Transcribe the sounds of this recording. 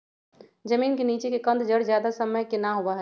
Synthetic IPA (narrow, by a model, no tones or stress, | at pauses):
d͡ʒɐmiːnkeniːt͡ʃekekɐ̃nd̪d͡ʒəɽd͡ʒjaːd̪asəməjkɪnaɦoʋaɦɛ